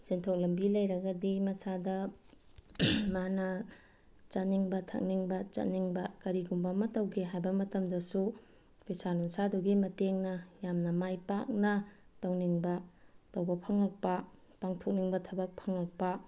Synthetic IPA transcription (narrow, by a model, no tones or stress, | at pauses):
sentʰok̚lɐmbilɐjɾɐɡɐdimɐsadɐ | manɐ | t͡ʃɐt̚niŋbɐtʰɐ̰k̚niŋbɐt͡ʃɐ̰t̚niŋbɐkɐɾiɡumbɐmɐtɐwɡeɦajbɐmɐtɐmdɐsu | pʰesanunsaduɡimɐteŋnɐjamnɐmajpak̚nɐtɐwniŋbɐtɐwbɐpʰɐŋɐk̚pɐ | paŋtʰok̚niŋbɐtʰɐbɐk̚pʰɐŋɐk̚pɐ